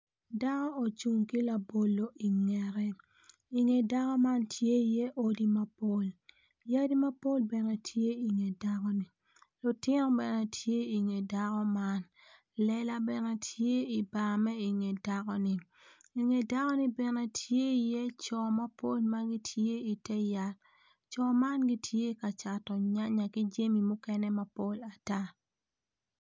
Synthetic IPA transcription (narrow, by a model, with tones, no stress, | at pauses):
da˦kɔ˦o˨t͡ʃu˨ŋki˦la˨bo˨lo˨ʔi˨ŋɛ˨ɾɛ˦ | i˨ŋe˨da˦kɔ˦ma˦ntʰje˦i˨je˦ʔo˦di˦ma˦po˦l | ja˦di˦ma˦po˦lbɛ˨nɛ˨tʰje˦i˨ŋe˨da˦kɔ˦ni˨ | lu˨tɪ˦nɔ˦bɛ˨nɛ˨tʰje˦i˨ŋe˨da˦kɔ˦ma˦n | lɛ˦la˦bɛ˨nɛ˨tʰje˦i˨ba˨mɛ˦i˨ŋe˨da˦kɔ˦ni˨ | i˨ŋe˨da˦kɔ˦ni˦bɛ˨nɛ˨tʰje˦i˨jɛ˦t͡ʃɔ˨ma˦po˦lma˦ɡi˦tʰje˦i˨tɛ˦ja˨l | t͡ʃɔ˨ma˦nɡi˦tʰje˦ka˨t͡ʃa˨tɔ˨ɲa˦ɲa˨ki˦d͡ʒe˦mi˨mʊ˦kɛ˦nɛ˦ma˨po˦la˨ta˦